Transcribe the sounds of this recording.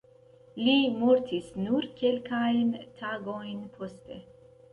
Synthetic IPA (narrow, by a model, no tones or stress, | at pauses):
limoɾt̪ʰisnuɾkʰelkajnt̪ʰaːɡojnpʰost̪e